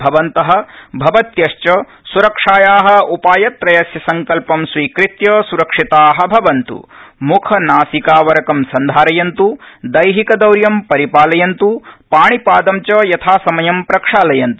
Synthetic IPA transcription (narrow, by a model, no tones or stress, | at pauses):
bʱɐʋɐnt̪ɐɦɐ̆bʱɐʋɐt̪jɐʃt͡ʃɐ | suɾɐkʂaːjaːɦɐ̆upaːjɐt̪ɾɐjɐsjɐsɐŋkɐlpɐmsʋiːkɾit̪jɐsuɾɐkʂit̪aːɦɐ̆bʱɐʋɐnt̪ṵmukʰɐnaːsikaːʋɐɾɐkɐmsɐnd̪ʱaːɾɐjɐnt̪ud̪ɐjɦikɐd̪ɐwɾjɐmpɐɾipaːlɐjɐnt̪upaːɳipaːd̪ɐmt͡ʃɐjɐt̪ʰaːsɐmɐjɐmpɾɐkʂaːlɐjɐnt̪u